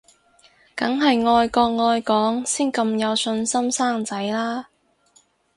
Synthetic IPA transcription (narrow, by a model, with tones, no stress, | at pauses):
kɐ˨˥ŋɦɐ˨jŋɔː˧jkɔː˧kŋɔː˧jkɔː˨˥ŋsiː˥nkɐ˧mjɐ˨˧wsɵ˧nsɐ˥msaː˥ŋt͡sɐ˨˥jlaː˥